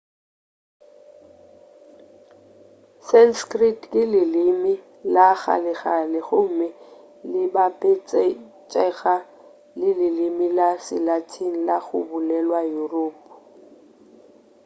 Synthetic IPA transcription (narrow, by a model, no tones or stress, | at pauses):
sanskritʼkʼɪlɪlɪmɪ | laɣa̰lɪɣalɪɣʊm̩mɪ | lɪbapʼɪt͡sʼɛ | t͡ʃʼɛɣa | lɪlɪlɪmilasɪ̰latʰin̩laɣʊ̰bʊlɛlwajuroːpʼʊ̥